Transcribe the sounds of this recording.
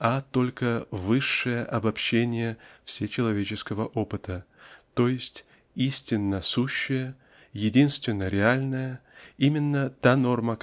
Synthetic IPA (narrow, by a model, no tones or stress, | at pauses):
at̪o̞lʲkəvɨʂːɨjəʔɐbɐpɕːenʲɪjəfsʲet͡ɕɪlˠɐvʲet͡ɕɪskəvəʔopɨt̪ət̪o̞jɪsʲtʲ | isʲtʲɪnːəsuɕːɪjə | jɪdʲinst̪vʲɪnːəɾʲɪalʲnəjəimʲɪnːət̪ano̞rmə